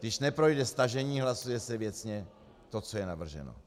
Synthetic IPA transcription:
ɡdɪʃnɛpɾo̞jdɛst̪aʒɛɲiːɦlasujɛsɛvjɛt͡sɲɛ | t̪o̞t͡so̞jɛnavr̩ʒɛ̰no̰

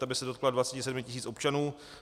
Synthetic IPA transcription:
abɪsɛdokladvat͡sɛcɪs̬ɛdmɪcɪs̬iːt͡sʔopt͡ʃanuː

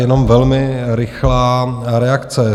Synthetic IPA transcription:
jɛno̞mvɛlmɪɾɪxlaːɾɛakt͡sɛ

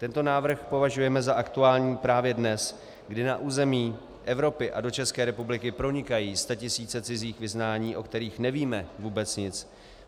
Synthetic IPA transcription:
t̪ɛnt̪o̞naːvɾr̩xpo̞vaʒujɛmɛzaʔakt̪uaːlɲiːpɾaːvjɛdnɛs | ɡdɪnaʔuːzɛmiː | ʔɛvɾo̞pɪʔado̞t͡ʃɛskɛːɾɛpublɪkɪpɾo̞ɲɪkajiːst̪acɪsiːt͡sɛt͡sɪziːxvɪznaːɲiːʔo̞kt̪ɛɾiːxnɛviːmɛvuːbɛt͡sɲɪt͡s

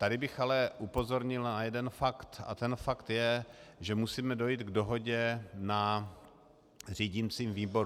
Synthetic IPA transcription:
t̪adɪbɪxalɛʔupo̞zo̞ɾɲɪlnajɛdɛnfakt̪a̰t̪ɛnfakt̪jɛʒɛmusiːmɛdo̞jiːt̪ɡdo̞ɦo̞ɟɛna | r̝iːɟɪmt͡siːmviːbo̞ɾu

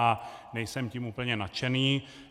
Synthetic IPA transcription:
anɛjsɛmcimʔupl̩ɲɛnat͡ʃɛniː

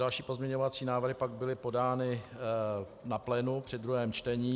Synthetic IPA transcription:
dalʃiːpo̞zmɲɛɲo̞vat͡siːnaːvr̩ɦɪpaɡ̚bɪlɪpo̞daːnɪ | naplɛnupr̝̥ɪdɾuɦɛːmt͡ʃt̪ɛɲiː

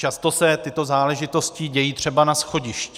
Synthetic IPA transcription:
t͡ʃast̪o̞sɛt̪ɪt̪o̞zaːlɛʒɪt̪o̞scɪɟɛjiːt̪r̝̥ɛbanasxo̞ɟɪʃcɛ

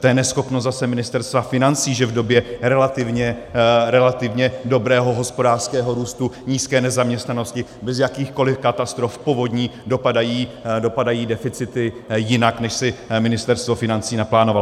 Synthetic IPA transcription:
t̪ɛjɛnɛsxo̞pnoszasɛmɪnɪst̪ɛɾst̪vafɪnant͡siːʒɛvdo̞bjɛɾɛlat̪ɪvɲɛɾɛlat̪ɪvɲɛdo̞bɾɛːɦo̞ɦo̞spo̞daːr̥skɛːɦo̞ɾuːst̪uɲiːskɛːnɛzamɲɛst̪nano̞scɪbɛzjakiːxko̞lɪfkat̪ast̪ɾo̞fpo̞vo̞dɲiːdo̞padajiːdo̞padajiːdɛfɪt͡sɪt̪ɪjɪnaknɛʃsɪmɪnɪst̪ɛɾst̪vo̞fɪnant͡siːnaplaːnoval

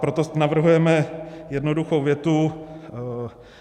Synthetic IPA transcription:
pɾot̪onavr̩ɦujɛmɛjɛdnoduxowvjɛt̪u

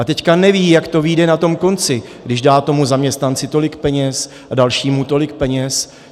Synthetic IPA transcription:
at̪ɛckanɛviːjakt̪o̞viːdɛnat̪o̞mko̞nt͡sɪ | ɡdɪʒdaːt̪o̞muzamɲɛst̪nant͡sɪt̪o̞lɪkpɛɲɛs | adalʃiːmut̪o̞lɪk̚pɛɲɛs

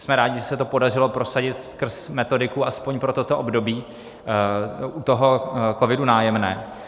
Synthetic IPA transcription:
smɛɾaːɟɪʒɛsɛt̪o̞po̞darɪlo̞pɾo̞saɟɪt̪skr̩smɛt̪o̞dɪkuʔaspoɲpɾo̞t̪ot̪o̞ʔobdo̞biː | ʔut̪o̞ɦo̞ko̞vɪdunaːjɛmnɛː

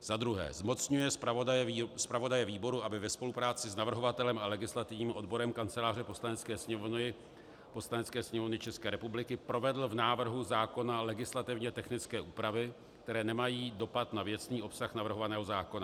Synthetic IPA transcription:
z̥ad̪ɾuɦɛ̰ːzmo̞t͡sɲujɛs | spɾavo̞dajɛviːbo̞ɾuʔabɪvɛspo̞lupɾaːt͡sɪsnavr̩ɦo̞vat̪ɛlɛmalɛɡɪslat̪ɪvɲiːmʔo̞dbo̞ɾɛmkant͡sɛlaːr̝ɛpo̞slanɛt͡skɛːsɲɛ | po̞slanɛt͡skɛːsɲɛmo̞vnɪt͡ʃɛskɛːɾɛpublɪkɪpɾo̞vɛdl̩vnaːvr̩ɦuzaːko̞nalɛɡɪslat̪ɪvɲɛt̪ɛxnɪt͡skɛːʔuːpɾavɪ | kkt̪ɛɾɛːnɛmajiːdo̞pat̪navjɛt͡sniːo̞psaxnavr̩ɦo̞vanɛːɦo̞zaːko̞na

